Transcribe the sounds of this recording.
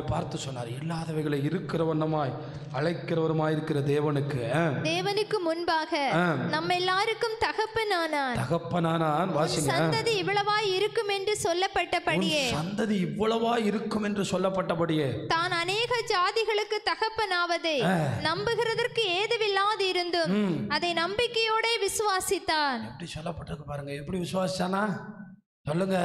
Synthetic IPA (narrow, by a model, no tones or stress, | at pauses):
paːɾt̪ːɯsɔnːa̰ːɾɪlːaːðɐʋɐɪɣɐɭɐɪɪɾɯkːɪrɐʋɐnːɐmaːj | ɐɻɐɪkːɪrɐʋɐɾɯmaːjɪɾɯkːɪrɐd̪eːʋɐnɯkːɯd̪eːʋɐnɯkːɯmʊnbaːɣɐnɐmːɛlːaːɾɯkːɯmt̪ɐɣɐpːɐnaːnaːnt̪ɐɣɐpːɐnaːnaːnʋaːsɪŋɡsɐnnd̪ɐðiɪʋːɐɭɐʋaːjɪɾɯkːɯmɛndrɯsɔlːɐpːɐʈːɐpːɐʊnɽɪjeːsɐnd̪ɐðiɪʋːɐɭɐʋaːjɪɾɯkːɯmɛndrɯsɔlːɐpːɐʈːɐpɐɽɪjeːt̪aːnɐneːɣɐd͡ʒaːðɪɣɐɭɯkːɯt̪ɐɣɐpːɐnaːʋɐðɐanɐmbɯɣɪrɐðɐrkɯeːðɯʋɪlːaːðɐɪɾɯnd̪ɯmɐðɐɪnɐmbɪkːɐjoːɽeːʋɪsɯʋaːsɪt̪ːaːnɛppːɐɽisɔlːɐpːɐʈːɾkːɯpaːɾɯŋɡɐɛpːɐɽiʋɪsɯʋaːsɪt͡ʃːaːnːaː | sɔlːɯŋɡɐ